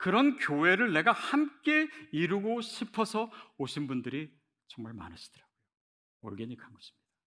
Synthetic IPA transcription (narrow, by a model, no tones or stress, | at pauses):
kɯɾʌnkjoɦe̞ɾɯɭne̞ɡahamk͈e̞iɾuɡoɕʰipʰʌsʰʌoɕʰinbundɯɾi | t͡ɕʌŋmaɭma̰nɯɕʰi̥d̥ɯɾaɡojo | ʌ̰ɭɡe̞ɲikʰanɡʌɕʰi̥mɲid̥a